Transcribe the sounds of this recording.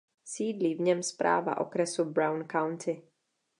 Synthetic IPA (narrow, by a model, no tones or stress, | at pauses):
siːd̪liːvɲɛmspɾʔa̰ːva̰ʔo̰kɾɛsubɾawnkawnt̪ʰɪ